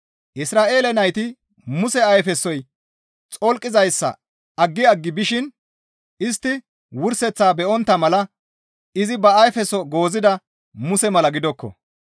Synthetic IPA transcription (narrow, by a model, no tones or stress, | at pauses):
ʔɪsɾaːʔe̞ːlɛnɐjt̪ɪ | mʊsɛɐjfɛsːɔj | t͡sʼɔlkʼːɪzɐjsːɐ̰ | ɐɡːɪɐɡːɪbɪʃɪn | ɪst̪ːɪ | wʊɾsɛt͡sːaːbɛʔɔnt̪ːɐmɐlɐ | ɪzɪbɐɐjfɛsɔɡo̞ːzɪd̪ɐ | mʊsɛmɐlɐɡɪd̪ɔkːɔ̰